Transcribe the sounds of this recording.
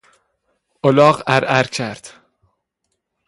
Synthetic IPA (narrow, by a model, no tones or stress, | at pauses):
ʔolɒːɢæɾʔæɾcʰæɾd̪̥